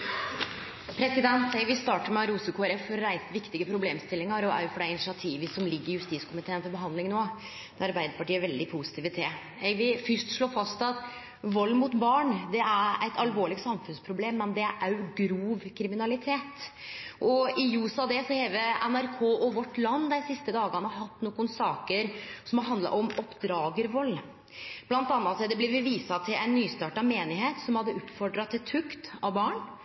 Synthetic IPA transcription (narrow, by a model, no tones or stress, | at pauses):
pʰɾɛsɪd̪ɛnt̪ɛɪʋɪst̪ɑːʈəɾmɛɑɾuːsəkʰoːæɾɛfːɔɾɾæɪst̪ʋɪkt̪ɪɡəpʰɾʊbleːmst̪ɪlːɪŋɑɾɔæ̰ɾjʊfɔɖæɪɪnɪʂɪɑt̪ʰiːʋəsɔmlɪɡːəɾɪjʉst̪iːskʰʊmɪt̪ʰeːənfɔɾbəɦɑnd̪lɪŋnoː | d̪ɛɑɾbæɪd̪əɾpʰɑʈiːæɾʋɛld̪ɪpʰusɪ̥t̪iːʋət̪ʰeː | ɛɪʋɪfʏʂʈʂɭoːfɑst̪ɑt̪ | ʋɔlːmʊt̪bɑːɳd̪ɛæɾæɪt̪ʰɑlʋoːɭɪɡsɑmfʉnspʰɾʊbleːmːɛnd̪ɛæɾʔæɾjʊɡɾuːʋkʰɾɪmɪnɑlɪt̪ʰeːt̪ | ʔɔɪjuːsɑd̪ɛsɔheːʋəʔɛnæɾkʰoːʔɔʋɔʈːlɑnːd̪ɛɪsɪst̪əd̪ɑːɡɑnəɦɑt̪ːnukːʊnsɑːkəɾsɔmɔɦɑnd̪lɑ̰ʔɔmɔpd̪ɾɑːɡəɾʋɔlː | b̥lɑnt̪ɑnːɑt̪sɛd̪ɛblɪbəʋiːsɑt̪ʰɪlʔæ̰ɪnːyːst̪ɑːʈɑmeːnɪɦeːt̪sɔmhɑd̪ːəʊpfɔɖɾɑt̪ʰːɪt̪ʰʉkt̪ɑʋbɑːɳ